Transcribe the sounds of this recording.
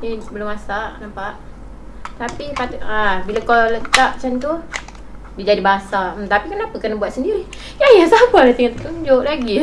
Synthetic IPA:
ibəlʊmasaʔnampaʔ | t̪apipat̪abilakalət̪aʔt͡ʃant̪u | did͡ʒadibaɦasaʔm̩mt̪apikənapəkənabuat̪səndiɾi | jajasapalat̪iŋat̪əkuɲd͡ʒoʔlaɡi

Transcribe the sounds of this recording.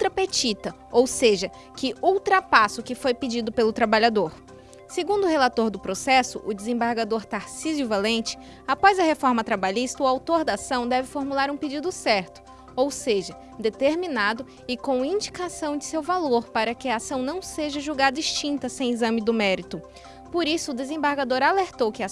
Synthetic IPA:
ut̪ɾɐpet͡ʃit̪ɐ | owseʒɐ | kɪʔuwt̪ɾapasʊkɪfojpɪd͡ʒid̪ʊpelʊt̪ɾabaʎad̪oɾ | seɡũnd̪ʊhelat̪oɾd̪ʊpɾosɛsʊʔʊd͡ʒɪzẽmbaɾɡad̪oɾt̪aɾsizuvalẽnt͡ʃɪ̥ | apɔzɐhefɔɾmɐt̪ɾabaʎist̪ɐʊawt̪oɾd̪aasɐ̃w̃d̪ɛvɪfoɾmulaɾũped͡ʒid̪ʊsɛɾt̪ʊ̥ | owseʒɐ | d̪et̪eɾminad̪ʊ | ɪkõw̃ĩd͡ʒikasɐ̃w̃d͡ʒɪsewvaloɾpaɾɐkɪɐasɐ̃w̃nɐ̃w̃seʒɐʒuɡad̪ɐist͡ʃĩnt̪ɐsẽj̃izɐ̃mɪd̪ʊmɛɾit̪ʊ | poɾisʊːd̪ezẽbaɾɡad̪oɾaleɾt̪owkɪa

